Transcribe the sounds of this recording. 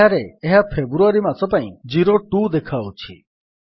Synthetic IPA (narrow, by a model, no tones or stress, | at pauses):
aɾeːɦapʰebɾuaɾimat̪ɔpaĩd͡ʒiɾoʈud̪ekʰaut͡ʃʰḭ